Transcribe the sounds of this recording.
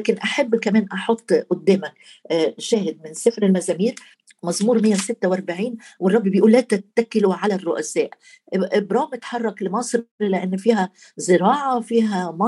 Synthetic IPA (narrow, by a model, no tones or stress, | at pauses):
kɪnʔaħabːkameːnʔɑħʊt̪ˤːʔʊd̪ːeːmak | ʃæːhɪd̪̚mɪnsɪfɾɪlmazæːmiːɾ | mɑzˤmuːɾmɪjːawsɪt̪ːawʔɑɾˤbaʕiːnwɨrˤːɑbːibɪjʔuːlːæːt̪at̪ːakːɪluʕalarˤːʊʔasæːʔ | ʔɪbɾˤɑːmɪt̪ħɑrˤːɑklɪmɑːsˤɾlɪʔanːfiːɦa | zɪɾɑːʕafiːɦamɑ